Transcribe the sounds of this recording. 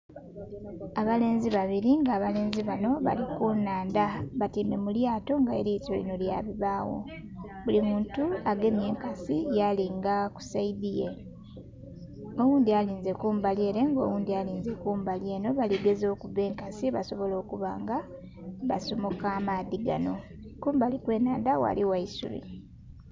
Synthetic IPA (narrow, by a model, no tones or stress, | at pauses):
aβale̞ːnziβaβiɾiŋɡaːβale̞ːnziβano̞βa̰likunaːndaβatiːme̞muljaːto̞ŋɡaḛɾitolḭno̞lja̰βiβaːwo̞̰ | βulimuːntuaɡe̞mje̞ːŋkasijaliŋɡaku̥saidije̞ | owuːnd̪ialiːnze̞kuːmbalje̞ːɾe̞ŋɡo̞̰ːwuːndialiːnze̞kuːmbalje̞ːno̞βaliɡe̞zo̞kuve̞ːŋkasiβaso̞βo̞lo̞ːkuβa̰ːŋɡa | βasomo̞kaːmaðiɡa̰no̞ | kuːmbalikwe̞ːnaːndawa̰liwaisṵlḭ